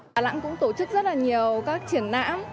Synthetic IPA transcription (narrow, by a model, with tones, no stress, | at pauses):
la̰˧˥ŋkʊ̰˧˥ŋ͡mt̪o˧˩t͡ɕɨ˦˥k̚zə˦˥laː˨˩ɲi˨˩əwkaː˦˥k̚t͡ɕi˧˩ənːa̰ː˧˥m